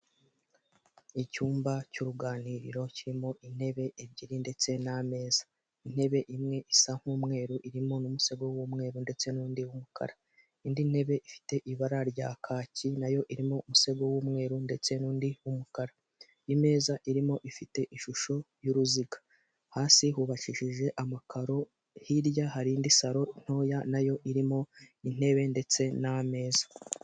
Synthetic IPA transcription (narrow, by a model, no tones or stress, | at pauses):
icuːmbacuɾuɡaːniɾḭɾo̞ciɾimo̞ʔin̥e̞βe̞ʔebɟiɾinde̞t͡se̞name̞ːzḁ | in̥he̞βe̞ʔimŋe̞ʔisaŋ̥huːmŋe̞ːɾuʔiɾimo̞numuse̞ɡo̞wumŋe̞ːɾunde̞t͡se̞nuːndiwumukʰa̰ɾa | indin̥he̞βe̞ʔifi̥te̞ʔiβaɾaɾɟaːkʰaːcinajo̞ʔiɾimo̞umuse̞ɡo̞wumŋe̞ːɾunde̞t͡se̞nuːndiumukaɾa | jime̞ːzaʔiɾimo̞ʔifite̞ʔiʃuʃo̞ | juɾuziɡḁ | haːsihuβaʃiʃiʒe̞ʔamakaɾo̞ | hiɾjahaɾindisaɾo̞in̥ho̞ːjanajo̞ʔiɾimo̞in̥e̞βe̞nde̞t͡se̞name̞ːzḁ